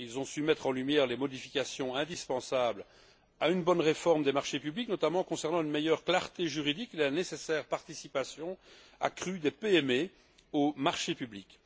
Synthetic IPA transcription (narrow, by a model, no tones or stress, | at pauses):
ilzɔ̃symɛt̪χɑ̃lymjɛːʁlemɔd̪ifikʲasjɔ̃ɛ̃d̪ispɑ̃sabl | aynbɔnʁefɔʁmd̪emaʁʃepybliknɔt̪amɑ̃kɔ̃sɛʁnɑ̃ynmejœʁklaʁt̪eʒyʁid̪ikelanesesɛːʁpaʁt̪isipasjɔ̃ | a̰kχyd̪epeɛme | omaʁʃepyblik